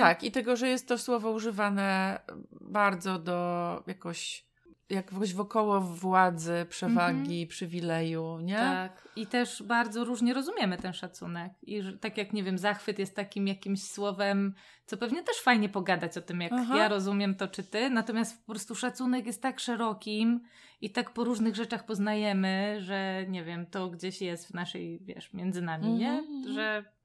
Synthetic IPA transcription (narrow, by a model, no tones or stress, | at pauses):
t̪akit̪ɛɡɔʐɛjɛst̪ːɔswɔvɔuʐɘvanɛ | baɾd̪zɔd̪ɔjakɔɕ | jakɕvɔkɔwɔvwad̪zɘpʂɛvaɡʲipʂɘvʲilɛjuɲɛakit̪ɛʂbaɾd̪zɔɾuʐɲɛɾɔzumʲjɛmɘt̪ɛnʂat̪sṵnɛkiʐt̪akjakɲɛvʲjɛmzaxfɘt̪jɛst̪ːakʲimjakʲimɕswɔvɛm | t̪sɔpɛvɲɛt̪ɛʂfajɲɛpɔɡad̪at͡ɕɔt̪ɘmjakjaɾɔzumʲjɛmt̪ɔt͡ʂɘt̪ɘnat̪ɔmʲjast̪fpɔpɾɔst̪uʂat̪sunɛkjɛst̪ːakʂɛɾɔkʲim | it̪akpɔɾuʐnɘɣʐɛt͡ʂaxpɔznajɛmɘʐɛɲɛvʲjɛmt̪ɔɡd͡ʑeɕjɛst̪vnaʂɛ̰jvʲjɛ̰ʂmʲjɛnd̪zɘnamʲiɲɛʐɛ